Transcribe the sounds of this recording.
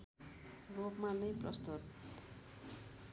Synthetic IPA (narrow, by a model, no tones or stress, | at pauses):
ropmanʌjprʌst̪ut̪